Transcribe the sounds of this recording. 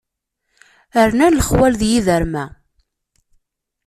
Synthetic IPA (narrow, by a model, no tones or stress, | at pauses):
əɾnænləχwælðjiðəɾmæ